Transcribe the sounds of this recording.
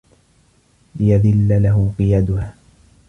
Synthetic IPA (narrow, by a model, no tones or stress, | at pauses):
lɪjaðɪlːalaɦʊqɨjad̪ʊhaː